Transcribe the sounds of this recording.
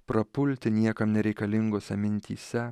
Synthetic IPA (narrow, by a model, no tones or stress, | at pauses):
pɾɐpʊlʲt̪ʲɪnʲiɛkɐmnʲɛɾʲɛɪkɐlʲɪŋɡoːsʲɐmʲɪnʲt̪ʲḭːsʲɛ